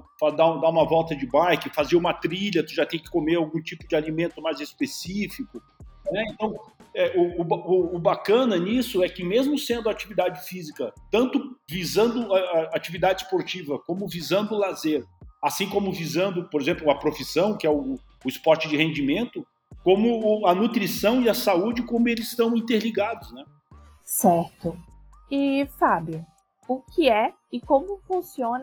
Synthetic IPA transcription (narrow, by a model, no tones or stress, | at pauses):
fad̪aũd̪aũmɐvɔwˠt̪ɐd͡ʒɪbajkɪfaziɐũmɐt̪ɾiʎɐt̪ʊʒat̪ẽj̃kɪ̥komeɾawɡũt͡ʃipʊd͡ʒɪalimẽnt̪ʊmajzɪspesifikʊ | nɛẽnt̪ɐ̃w̃ɛʊʊbaʊːbakɐ̃nɐnisʊɛkɪmezmʊsẽnd̪ʊat͡ʃivid̪ad͡ʒɪfizikɐt̪ɐ̃nt̪ʊvizɐ̃nd̪ʊaaat͡ʃivid̪ad͡ʒɪspoɾt͡ʃivɐkõmʊvizɐ̃nd̪ʊlazeɾasĩkõmʊvizɐ̃nd̪ʊpoɾezẽmplʊɐpɾofisɐ̃w̃kɪɛʊː | ɪspɔɾt͡ʃɪd͡ʒɪhẽnd͡ʒimẽnt̪ʊ | kõmʊːɐnut̪ɾisɐ̃w̃iɐsaud͡ʒɪkõmʊelɪz̥st̪ɐ̃w̃ĩnt̪eɾliɡad̪ʊznɛ | sɛɾt̪ʊ | ɪfabjʊ | ʊkɪɛ | ɪkõmʊfũsiõn